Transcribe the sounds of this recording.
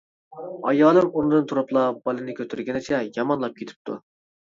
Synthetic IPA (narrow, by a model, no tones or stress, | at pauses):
ɑ̰jɑːlˠɨŋund̪ɨnt̪ʰuɾɑplˠɑb̥ɑlˠɨnɨkʲʰøt̪ʰɪɾɡʲɪnɪt͡ʃʰɛjɑmɑnlˠɑp̚kʲet̪ʰɪ̥p̚t̪ʰṵ